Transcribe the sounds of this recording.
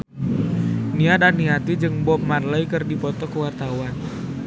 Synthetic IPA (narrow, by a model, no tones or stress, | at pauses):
niadaniɦat̪id͡ʒɨŋbɔp̚marləikɨrdipɔt̪ɔkəwart̪awan